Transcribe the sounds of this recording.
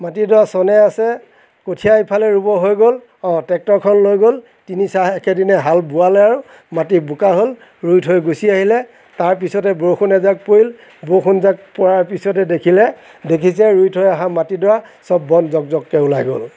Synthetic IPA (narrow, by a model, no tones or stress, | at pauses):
matidɔasɔnɛasɛ | kotʰiajpʰalɛɹubɔɦojɡol | ɔ̃tɛk̚tɔɹkʰɔnlojɡol | tinisaɛkɛdinɛɦalbʊalɛaɹu | matibukaɦol | ɹujtʰɦojɡusiaɦilɛ | taɹp̬isɔtɛboxunɛzak̚poil | boxʰunzak̚pɔɹaɹpisɔtɛdekʰilɛ | dekʰis̬ɛɹujtʰɦojaɦamatidɔɹasɔbːɔnzɔk̚zɔkːɛulajɡo̰l